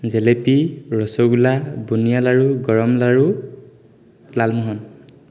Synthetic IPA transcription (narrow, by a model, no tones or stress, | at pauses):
zɛlepiɹɔsoɡulabunijalaɹuɡɔɹɔmlaɹu | lalmuɦɔn